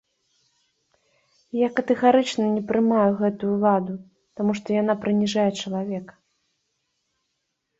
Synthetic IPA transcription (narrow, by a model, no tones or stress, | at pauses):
jakɐt̪ɛɣaɾɨt͡ʂnɐnʲɛpɾɨmajuɣɛt̪ujulˠad̪u | t̪amuʂt̪ɔjanapɾɨnʲiʐajɛt͡ʂɐlˠavʲɛk